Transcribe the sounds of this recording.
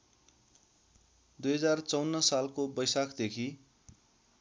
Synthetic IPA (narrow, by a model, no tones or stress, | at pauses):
d̪ujɦʌd͡zart͡sʌwnːʌsalkobʌjsakʰd̪ekʰi